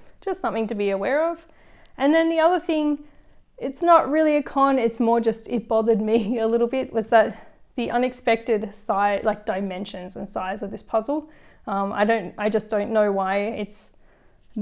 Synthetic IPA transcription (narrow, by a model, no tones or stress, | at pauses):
d̥ʒ̥ʌstsʌ̃mθɪ̃ŋtɨbiɨwɛɹʌv̥ | ɨ̃nðɨ̃nðiʌðə˞θɪ̃ŋ | ɨtsnəʔ̚ɹɪlˠiɨkʰɑ̃nɨtsmɔɹd͡ʒʌstɪt̚b̥ɑðə˞d̚miɨlɪɾl̩ˠbɪt̚wʌzðɨt̪̚ðiʔʌ̃nɨkspɛk̚tɨdsaɪlaɪk̚d̥aɪmɛ̃nʃɨ̃nzɨ̃nsaɪzʌvðɪspʰʌzl̩ˠʌ̃ma̰ɪɾõʊ̃ntʔaɪd͡ʒʌsd̥õʊ̃nːoʊwaɪɪts